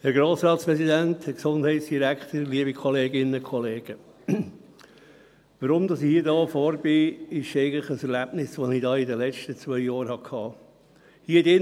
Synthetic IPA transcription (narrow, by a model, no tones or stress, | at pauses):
hɛɾɡɾoːsɾɑːt̪spɾɛsidænt̪hɛksond̥hɛɪtsd̥iɾækχt̪əɾliəbikʰɔleːɡɪnːəkʰɔleːɡ̥ə | ʋəɾʊmd̪ɑsɪhiːədɑːfɔːɾbɪɪʃɛɪɡəntlɪχəsɛɾlæb̥nɪsʋonɪdɑːɪdəlɛt͡ʃtət͡sʋœʏjɑːɾhɑkʰhɑː | hiːədɪn